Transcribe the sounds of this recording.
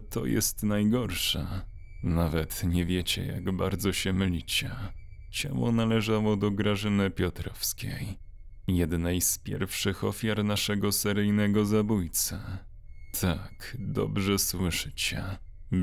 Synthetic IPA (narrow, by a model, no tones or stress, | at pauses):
t̪ʰɔ̰jɛ̰st̪najɡɔɾʂɛ̰ | navɛt̪ɲɛvʲjɛt͡ɕɛ̰ja̰ɡbaɾd̪zɔɕɛmɘlʲit͡ɕɛ | t͡ɕa̰wɔ̰nalɛʐawɔd̪ɔɡɾaʐɘnɘpʲjɔt̪ɾɔfskʲḛj | jɛd̪najspʲjɛ̰ɾfʂɘxɔfʲjaɾnaʂɛɡɔsɛɾɘjnɛɡɔzabujt̪sɛ | t̪ʰakd̪ɔ̰bʐɛswɘʂɘt͡ɕɛ